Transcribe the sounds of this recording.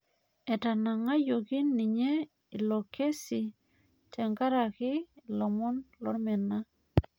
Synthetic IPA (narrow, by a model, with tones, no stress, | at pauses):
ɛ˨ta˨na˨ŋa˦jo˨kɪ˦nɪ˨ɲe˦ | i˨lo˨kʰe˦si˨ | tɛ˨ŋɡa˦ɾa˨kɪ˦lɔ˨mɔ˦nlɔ˦mɛ˨na˦